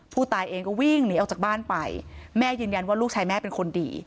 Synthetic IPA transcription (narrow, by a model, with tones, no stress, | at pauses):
pʰuː˥˩t̪aː˧jʔeː˧ŋkɔː˥˩wi˥˩ŋni˨˦˥ʔwt͡ɕaː˨˩k̚baː˥˩npa˧jmɛː˥˩jɯː˧nja˧nwaː˥˩luː˥˩k̚t͡ɕʰaː˧jmɛː˥˩pe˧nkʰo˧ndḭː˧